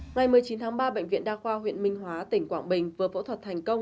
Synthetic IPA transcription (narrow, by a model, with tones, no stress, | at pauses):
ŋa˨˩jmɨ˨˩əjt͡ɕi˨˦nt̪ʰaː˨˦ŋɓaː˧ɓə̰˧˨ŋ̟vḭ˧˨nɗaː˧xwaː˧ɦwḭ˧˨ənmï˧ŋ̟ɦwaː˨˦t̪ï˧˩ŋ̟kwaː˧˩ŋɓï˨˩ŋ̟vɨː˨˦jfo̰˧˥t̪ʰwə˨˩t̚t̪ʰŋ̟kə˧wŋ͡m